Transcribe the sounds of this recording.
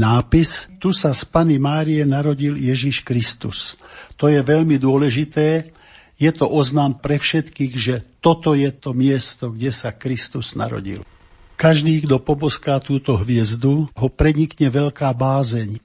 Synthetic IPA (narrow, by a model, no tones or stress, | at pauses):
naːpist̪usaspanimaːɾijɛnaɾɔɟiljɛʒiʃkɾist̪ṵst̪ɔjɛʋɛʎmid̪ʊɔlɛʒit̪ɛː | jɛt̪ɔʔɔznaːmpɾɛfʃɛt̪kiːɣʒɛt̪ɔt̪ɔjɛt̪ɔmɪɛst̪ɔɡɟɛsakɾist̪uz̥na̰ɾɔ̰ɟḭl | kaʒd̪iːɡd̪ɔpɔbɔskaːt̪uːt̪ɔɦʋɪɛzd̪uɦɔpɾɛɲikɲɛʋɛʎkaːbaːzɛɲ